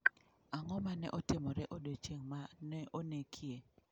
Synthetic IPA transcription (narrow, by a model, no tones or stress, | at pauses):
aŋɔmanɛ̰ʔɔtɪmɔɾɛʔodot͡ʃeŋmanɛʔonekʰje